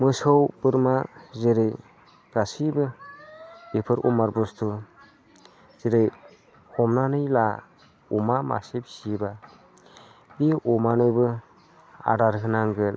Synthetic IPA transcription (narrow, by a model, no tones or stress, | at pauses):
mɯsɯwb̥ɯɾmazeɾɯj | ɡ̥asibɯ | b̥epʰɯɾʔɔ̰maɾbɔstʰu | z̥eɾɯj | ɔmnanɯjla | umama̰sepsiba | biɔmanɯjbɯ | a̰ɾaɾɦɯnaŋɡɯl